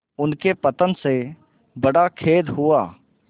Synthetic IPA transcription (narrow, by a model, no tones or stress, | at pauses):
ʊnkepət̪ənse | bəɽakʰeːd̪ɦʊaː